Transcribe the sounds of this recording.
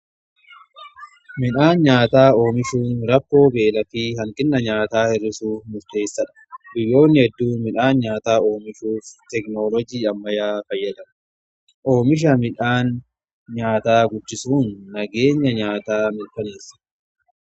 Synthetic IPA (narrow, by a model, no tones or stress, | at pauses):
mɪᶑaːnɲaːt̪aːo̞ːmɪʃuːnɾɐkːo̞ːbe̞ːlɐfiːhɐŋkʼɪnːɐɲaːt̪aːhɪrːɪsuːmʊɾt̪e̞ːsːɐᶑɐ̥bɪjːo̞ːnːɪhɛd̪ːuːmɪᶑaːnɲaːt̪aːo̞ːmɪʃuːft̪ɛknoːlɔd͡ʒiːɐmːɐjaːfɐjːɐd̪ɐn | ʔo̞ːmɪʃ̬ɐmɪᶑaːn | ɲaːt̪aːɡʊd͡ʒːɪsuːnːɐɡe̞ːɲːɐɲaːt̪aːmɪɾkɐneːsːɐ̥